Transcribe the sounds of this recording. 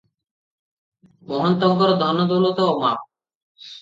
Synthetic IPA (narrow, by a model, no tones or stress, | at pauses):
mɔɦɔnt̪ɔŋkɔɾd̪ʱɔnːod̪ulot̪oomap̚